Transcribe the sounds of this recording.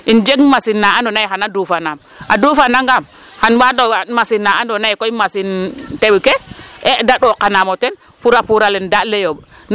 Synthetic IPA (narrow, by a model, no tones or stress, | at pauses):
ind͡ʒeɡmasinːaandɔnaiɦanadufanam | adufanaŋɡam | hanwaɗomasinːaandonaikɔimasinteɓkeedaɗokanamotɛn | puɾapuɾalɛndalejob | n